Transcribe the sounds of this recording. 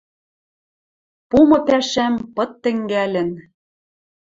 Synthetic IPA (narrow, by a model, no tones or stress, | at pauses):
pumɤ̆pæʃæmpɤ̆t̪ːɘ̆ŋɡælɘ̆n